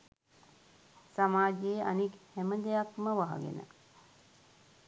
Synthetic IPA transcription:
samaːd͡ʒeːa̰nikhæməd̪ejakməʋaɦa̰ɡḛnə̰

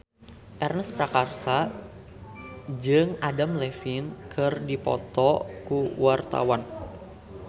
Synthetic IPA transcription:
ʔɛrnəspɾakarsa | d͡ʒɨŋadamlɛfinkʰɨrdipɔ̰t̪ɔkuwart̪a̰wan

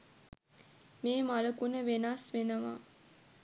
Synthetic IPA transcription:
meːmaləkunəʋenasʋenəʋa̰

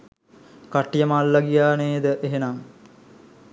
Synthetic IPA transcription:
kaʈːijəmalːɐɡijaːneːd̪əʔeɦenam

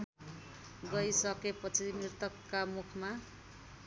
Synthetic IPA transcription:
ɡʌjsʌkepʌt͡sʰimirt̪ʌkːamukʰma

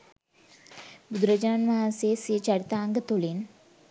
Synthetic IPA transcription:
bud̪ɾəd͡ʑananmaɦaseset͡ɕaɽt̪aːŋɡət̪olen

